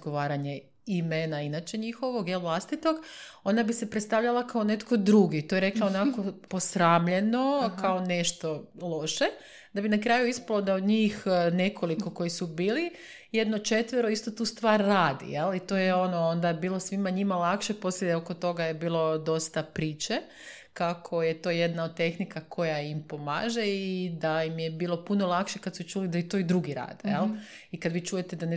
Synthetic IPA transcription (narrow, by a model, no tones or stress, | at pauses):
ɡoʋaːɾaɲe | imenainat͡ɕe̞ɲixoʋoɡjelˠʋlˠast̪it̪o̞ɡo̞nabise̞pɾet̪st̪aʋʎalˠakaone̞t̪kʰo̞d̪ɾuɡit̪ojeɾe̞klˠaonako̞po̞sɾaːmʎe̞no̞kaone̞ʃt̪olˠo̞ʃe | d̪abinakɾaːjuispalˠo̞d̪aod̪ɲiːxne̞kʰo̞likʰo̞ko̞jisubiːli | jed̪no̞t͡ʃe̞t̪ʋeɾo̞ist̪o̞t̪uːst̪ʋaːɾːaːd̪ḭjelit̪o̞jeo̞noond̪abiːlˠo̞sʋimaɲimalakʃepo̞sleeokot̪o̞ɡajebiːlˠo̞d̪o̞st̪apɾiːt͡ʃe | kakʰo̞jet̪o̞je̞d̪naod̪̚t̪e̞xnikakʰo̞jaimpo̞ma̰ːʒeid̪aimjebiːlo̞puno̞lˠakʃekat̪sut͡ʃuːlid̪ait̪o̞id̪ɾuɡiɾa̰ːd̪ejelˠ | ikad̪ʋiːt͡ʃuːjet̪ed̪ane